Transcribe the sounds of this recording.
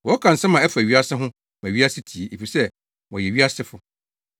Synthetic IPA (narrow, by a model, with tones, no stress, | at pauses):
wɔ˨ɔ˦kʰã˨n̩˨sã˦mã˨ɛ˦fɥi˦a˦sɪ˦ɦʊ̃˦ | mã˨ɥi˦a˦sɪ˦tʰi˨e˨ʔe˨fi˨sɛ˦ | wɔ˨jɛ˨ɥi˦a˦sɪ˦fʊ˦